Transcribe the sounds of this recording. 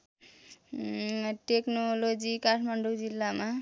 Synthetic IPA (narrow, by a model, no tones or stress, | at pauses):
ʈeknolod͡zikaʈʰmaɳɖud͡zilːama